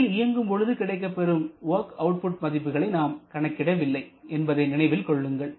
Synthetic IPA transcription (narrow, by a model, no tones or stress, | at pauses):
lɪjɐŋɡɯmpɔɻɯðɯkɪɽɐɪk̬ːɐpːɛɾɯmoːkɐʊʈ̚pʊʈ̚mɐðɪpːɯɣɐɭɐɪnaːmkɐɳɐkːɪɽɐʋɪlːɐɪɛnbɐðɐɪnɪnɐɪʋɪlkɔɭːɯŋɡɐɭ